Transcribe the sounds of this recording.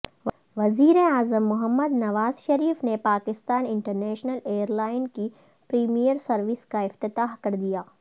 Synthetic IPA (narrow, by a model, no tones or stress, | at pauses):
ʋɐziːɾeaːzəmːʊɦəmːəd̪nɐʋaːzʃɐɾiːfnepaːkɪst̪aːnɪ̃ɳʈəɾnɛːʃnəleːəɾlaːɪnki | pɾiːmijəɾsɐɾʋɪskaɪft̪ɪt̪aːɦkɐɾd̪ijaː